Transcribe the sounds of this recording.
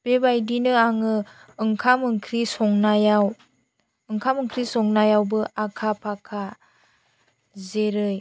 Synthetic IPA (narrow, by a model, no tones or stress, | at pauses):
b̥ebajdinɯaŋɯ | ɯŋkʰamɯŋkʰɾisɔŋnajaw | ɯŋkʰamɯŋkʰɾisɔŋnajawbɯʔakʰapʰakʰa | zeɾɯj